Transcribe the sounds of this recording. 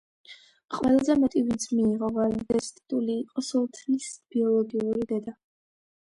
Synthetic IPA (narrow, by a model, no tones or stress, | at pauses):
χʼwɛlˠazɛmɛt̪ʼivizmiːʁɔvaɾd̪ɛst̪ʼit̪ʼuliːqʼɔsulˠt̪ʰlisb̥iɔlˠɔɡiuɾid̪ɛd̪a